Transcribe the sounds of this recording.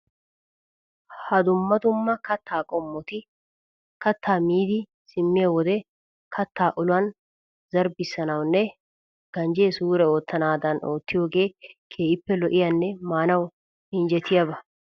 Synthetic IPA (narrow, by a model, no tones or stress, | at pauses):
hɐd̪ʊmːɐd̪ʊmːɐkɐt̪ʰːaːkʼɔmːɔt̪ɪ | kɐt̪ʰːaːmiːd̪ɪ | sɪmːɪjɐwɔd̪ɛ | kʰɐt̪ːaːʔʊlʊwɐn | zɐɾbɪsːɐnɐwnːɛ | ɡ̥ɐnd͡ʒeːsuːɾɛoːt̪ːɐnaːd̪ɐnʔo̞ːt̪ːɪjo̞ːɡe̞ːkʰeːʔɪpːɛlɔʔɪjɐnːɛmaːnɐw | ɪnd͡ʒɛt̪ʰɪjɐbɐ